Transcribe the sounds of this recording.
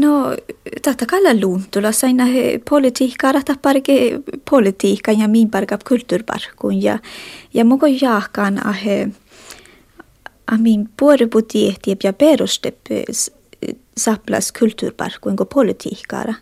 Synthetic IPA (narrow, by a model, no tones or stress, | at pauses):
not̪at̪ːakalːaluːnt̪ulasajnahpʰɔlɪt̪ʰihkaɾaht̪ahpaɾɡepʰɔlɪt̪ʰiːhkanaminbaɾɡapkʰʉlt̪ʉɾba̰ɾ̥kunja̰jamoɡojaːhkana̰ɦ | ahminb̥ueɾebut̪iht̪iɛbjabeɾost̪ɛp | sapla̰skʰʉlt̪ʉ̰ːɾba̰ɾkunɡopʰɔlɪt̪ʰḭhka̰ɾa